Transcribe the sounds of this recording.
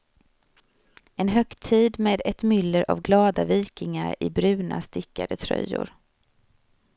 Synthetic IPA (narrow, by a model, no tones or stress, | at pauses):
ɛnɦœkt̪ʰiːd̪meːd̪ɛt̪mʏlːəɾʔavɡlɑːd̪aviːkɪŋaɾɪbɾʉ̟ːna̰st̪ɪkːad̪ət̪ʰɾœ̰jːʊ̰ɾ